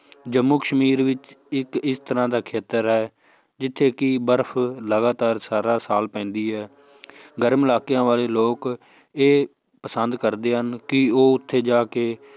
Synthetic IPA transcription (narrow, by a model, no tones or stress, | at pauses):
d͡ʒəmːuːkəʃmiːɾʋɪt͡ʃɪkɪst̪əɾãːd̪aːkʰeːt̪əɾɦɛː | d͡ʒɪt̪ʰːeːkibəɾpʰləɡaːt̪aːɾsaːɾaːsaːlpɛ̃ːnd̪iːɦɛː | ɡəɾmɪlaːkjãːʋaːleːloːk | eː | pəsənd̪kəɾd̪eːɦənkɪoːʊt̪ʰːeːd͡ʒaːkeː